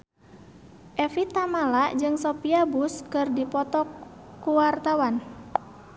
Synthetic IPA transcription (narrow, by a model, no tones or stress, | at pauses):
ʔɛfit̪amalaʔd͡ʒɨŋsopiabuskɨrdipɔt̪ɔkuwart̪awan